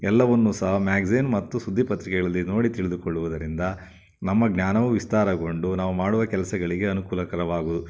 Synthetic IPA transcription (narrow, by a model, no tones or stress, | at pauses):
ɛlːɐʋɐnːusɐɦɐmaːɡzinmɐt̪ːusud̪ʱːipɐt̪ɾikɛɡɐɭɐlːino̞ːɽit̪iɭid̪ukoɭːuʋud̪ɐɾind̪ɐ | nɐmːɐɡnaːnɐʋuʋist̪aːɾɐɡo̞ɳɖunaːʋumaːɽuʋɐkɛlɐsɐɡɐɭiɡe̞ɐnukuːlɐkɐɾɐʋaːɡuːd̪u